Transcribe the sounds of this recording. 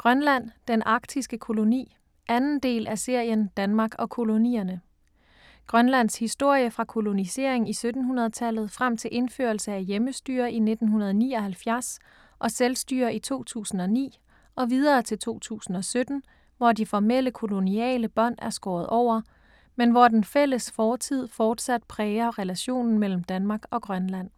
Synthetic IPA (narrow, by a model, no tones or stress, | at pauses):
ɡ̥ʁɶnlæn̰d̥enʔɑ̈ɡ̥̚d̥ʰisɡ̥əkʰo̝lo̝nḭː | ʔænn̩d̥e̝̰ːlʔæse̝ɐ̰jənd̥ænmɑ̈ːɡ̥ɒ̽kʰo̝lo̝nḭːɐnə | ɡ̥ʁɶnlæn̰shisd̥o̝ɐ̰jəfʁɑ̈kʰo̝lo̝nise̝̰ɐ̰eŋisød̥n̩hunɐð̞̩ˠət͡sʰælð̞̩ˠfʁam̰t͡sʰe̝lʔe̝nfø̰ːɐlsəæjeməsd̥y̰ːɐʔine̝d̥n̩ɦunɐð̞ˠnḭːɒ̽hælfjæɐs | ʔɒ̽selsd̥y̰ːɐʔit͡sʰo̝̰ːt͡sʰṵːsn̩ɒ̽nḭː | ʔɒ̽ʋiðˠɐːt͡sʰe̝lt͡sʰo̝̰ːt͡sʰṵːsn̩ɒ̽sød̥n̩ | ʋɒdifɒmel̰əkʰo̝lo̝niɛ̰ːləb̥ɒ̽n̰æɐsɡ̥ɒːð̞̩ˠʔɒʊ̰ɐ | menʋɒd̥enfel̰əsfɒːt͡sʰið̞̰ˠfɒːd̥sæd̥̚pʰʁɛːɐʁɛlæɕo̝̰ːnn̩mel̰m̩d̥ænmɑ̈ːɡ̥ɒ̽ɡ̥ʁɶnlæn̰